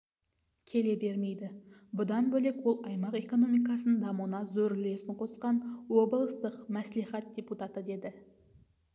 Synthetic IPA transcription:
kʲʰe̞le̞be̞ɾme̞jd̪ɪbʊd̪ɑnbɵle̞kwolˠɑjmɑqe̞ko̞no̞mijk̬ɑsənd̪ɑmunɑzɵɾle̞sɪɴqʰo̞sqɑnwo̞bəlˠəst̪əqmæsliχɑt̪̚dʲe̞put̪ɑt̪əd̪e̞d̪ɪ

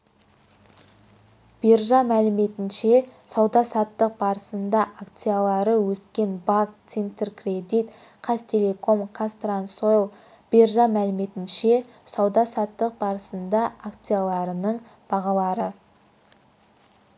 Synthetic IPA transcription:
b̥e̞ɾʒɑmælɪme̞t̪ɪnʃe̞sɑwd̪ɑsɑt̪ːəq̚bɑɾəsənd̪ɑʔakt̪sijalˠɑɾəwɵskʲe̞nbakt̪sent̪erkred̪it̪ | qʰɑst̪ʰe̞le̞kʰo̞mkʰast̪ransojlˠ | b̥e̞ɾʒɑmælɪme̞t̪ɪnʃe̞ | sɑwd̪ɑsɑt̪ːəq̚bɑɾəsənd̪ɑʔakt̪sijalˠɑɾənəɴ | b̥ɑʁɑlˠɑɾə

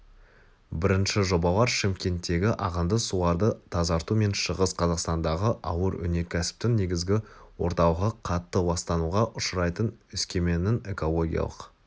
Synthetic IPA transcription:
bɪɾɪnʃɪʒo̞bɑlˠɑɾʃɪmkʲe̞nt̪ːe̞ɡʲɪʔɑʁənd̪əsulˠɑɾd̪ət̪ʰɑzɑɾt̪ume̞nʃəʁəsqʰɑzɑqst̪ɑnd̪ɑʁəʔɑwəɾɵ̰ne̞kʲʰæsɪ̥p̚t̪ɪŋne̞ɡʲɪzɡʲɪwo̞̰ɾt̪ɑw̪ˠʁəqʰɑt̪ːəbɑst̪ɑnuʁɑʔʊʃəɾɑjt̪ənʏskʲe̞me̞nɪne̞ko̞lˠo̞ɡʲijɑ̰lˠə̰q

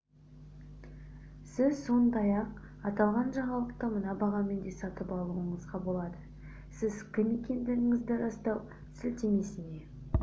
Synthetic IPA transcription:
sɪzso̞nd̪ɑjɑq | ɑt̪ɑlˠʁɑnʒɑʁɑlˠəq̚t̪əmənɑbɑʁɑme̞nd̪e̞sɑt̪əpɑlˠuəɴəzʁɑbo̞lˠɑd̪ə | sɪzkʲʰɪme̞kʲe̞nd̪ɪɾɪŋɪzd̪ɪɾɑst̪ɑw | sɪlt̪emesɪne̞

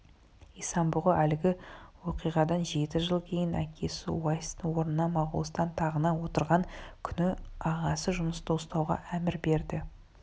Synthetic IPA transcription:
ijsɑmbʊʁəʔælɪɡʲɪwo̞qijʁɑd̪ɑnʒe̞t̪ɪʒəlˠkʲʰe̞jɪnækʲʰe̞sɪ̰wɑjst̪wo̞ɾnənɑmɑʁʊ̰lˠəst̪ɑnt̪ʰɑʁənɑwo̞t̪əɾʁɑŋkʲʰʏnɪɑʁɑsəʒʊməst̪ʰowst̪ɑwʁɑ̰ʔæmɪɾbe̞ɾd̪ɪ

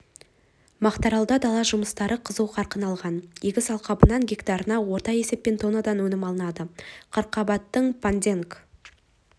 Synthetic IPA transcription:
mɑqt̪ɑɾɑlˠd̪ɑd̪ɑlˠɑʒʊməst̪ɑɾəqʰəzəwqʰɑɾqənɑlˠʁɑnjeɡʲɪsɑlˠqɑbənɑŋɡʲekt̪ɑɾənɑwo̞ɾt̪ɑje̞se̞p̚pe̞nt̪ʰo̞nad̪ɑnwɵnɪmɑlˠənɑd̪əqʰəɾqːɑbɑt̪ːəɴpʰand̪ʲe̞ŋk

